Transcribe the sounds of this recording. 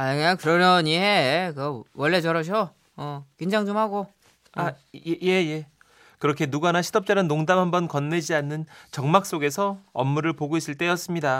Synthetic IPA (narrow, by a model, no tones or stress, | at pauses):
aeakɯɾʌʌɲiɦekɯwʌɭːe̞t͡ɕʌɾʌɕʰo | ʌkeŋd͡ʑaŋd͡ʑomhaɡo | a | eje̞je̞ | kɯɾʌkʰe̞nuɡanaɕʰidʌp̚t͡ɕ͈aɾɯnːoŋdamhambʌnkʌnːe̞d͡ʑianːɯnt͡ɕʌŋmak̚s͈oɡe̞sʰʌʌmːuɾɯɭpoɡois͈ɯɭt͈e̞jʌs͈ɯmɲida